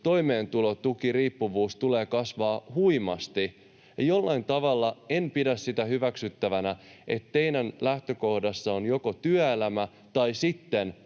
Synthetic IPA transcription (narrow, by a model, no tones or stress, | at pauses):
t̪o̞jme̞ːnt̪ulo̞t̪ukiriːpːuʋuːst̪ule̞ːkɑsʋɑːhuimɑst̪i | jɑjo̞lːɑint̪ɑʋɑlːɑe̞npidæssit̪æhyʋæksyt̪ːæʋænæet̪ːejnænlæht̪ø̞ko̞hdɑsːɑonjo̞kot̪yæelæmæ | t̪ɑjsit̪ːe̞n